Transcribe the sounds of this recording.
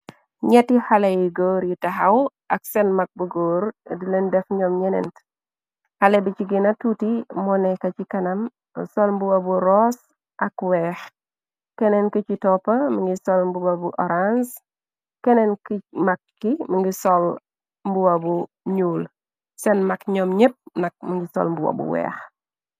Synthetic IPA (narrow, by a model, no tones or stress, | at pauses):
ɲɛtihalejiɡoːɾjitaɦaw | ɐksɛnmak̚buɡoːɾdilendɛfɲɔmɲɛnɛ̰nt | halɛbit͡ʃiɡinɐtutimɔnɛkɐt͡ʃikɐnɐm | sɔlmbuwabuɾɔs | ʔɐkwɛx | kɛnɛnkit͡ʃitɔpɐmiŋɡisɔlmbuwabuʔɔɾans | kɛnɛnkmakːiməŋɡisɔl | mbuwabu | ɲuːl | sɛnmɐkɲɔmɲep̚nɐk̚miŋɡisɔ̰lmbuwa̰bṵwɛ̰ːx